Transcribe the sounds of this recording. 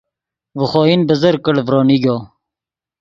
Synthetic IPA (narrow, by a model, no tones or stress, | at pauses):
vəχoːinbəzəɾkəɽvɾoːniɡoː